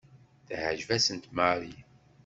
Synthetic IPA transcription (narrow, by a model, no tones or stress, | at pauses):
θhəʒvæsənt̪maɾi